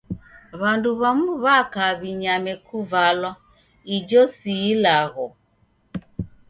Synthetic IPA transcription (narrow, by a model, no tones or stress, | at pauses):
βanduβamuβakaβiɲamɛkʰuvalwa | id͡ʒɔsiːlaɣɔ